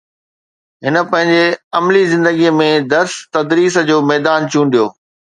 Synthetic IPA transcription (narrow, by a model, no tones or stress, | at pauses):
ɦɪnə̆pɐ̃ɦɪ̃ɲd͡ʑeɐmlizɪ̃nd̪əɡijəmẽd̪ɐɾst̪ɐd̪ɾiːsd͡ʑoːmɛːd̪aːnt͡ɕũːnɖijoː